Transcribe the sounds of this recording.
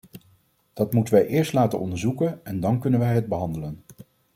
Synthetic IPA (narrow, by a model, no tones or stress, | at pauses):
d̥ɑtmutənʋɛjʔɪːɹstlaːtə̰nɔ̰ndəɹzukənɛndɑnkɵnənʋɛjɦəd̚bəɦɑndələn